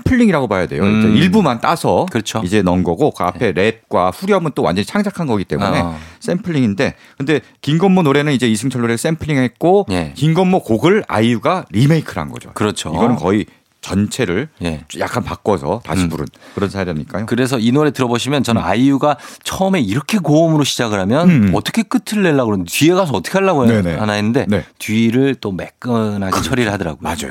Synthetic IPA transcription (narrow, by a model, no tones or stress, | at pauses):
sempʰɯɭʎːiŋiɾaɡobajadejot͡ɕeiɭbumant͈asʰʌkɯʌt͡ɕʰoid͡ʑe̞nʌmɡʌɡoka̰pʰe̞ɾe̞p̚k͈waɸuɾjʌmɯnt͈owa̰nd͡ʑʌɲit͡ɕʰaŋd͡ʑakʰanɡʌɡit͈e̞̰mune̞s͈e̞mpʰɯɭːiŋinde̞ | kɯnde̞ | kiŋɡʌmːonoɾe̞nɯnid͡ʑe̞isʰɯŋt͡ɕʰʌnːoɾes͈e̞mpʰɯɭːiɦet̚k͈ojkiŋɡʌmːokoɡɯɭa̰juɡaɾime̞ikʰɯɾɦa̰nɡʌ̰d͡ʑo̰kɯɾʌt͡ɕʰoiɡʌnɯnkʌi | t͡ɕʌnt͡ɕʰe̞ɾɯɭje̞̰ja̰k͈ʰanpak͈wʌsʰʌta̰ɕʰipuɾɯ̰nkɯɾʌnsʰaɾiaɲik͈ajokɯɾe̞sʰʌinoɾe̞tɯɾʌboɕʰimjʌnt͡ɕʌnɯna̰juɡat͡ɕʰʌɯme̞iɾʌkʰe̞koʌmɯɾoɕʰid͡ʑaɡɯɾɦamjʌnʌt͈ʌ̥kʰe̞k͈ɯtʰɯɭːe̞ɭːaɡɯɾʌndeie̞ɡasʰʌt͈ʌkʰe̞ɦaɭːabojoneeanaɦenːɯnde̞netiːɾɯɭt͈omḛk͈ɯnɦaɡit͡ɕʰʌɾiɾɯɭhadʌɾa̰ɡojad͡ʑa̰jo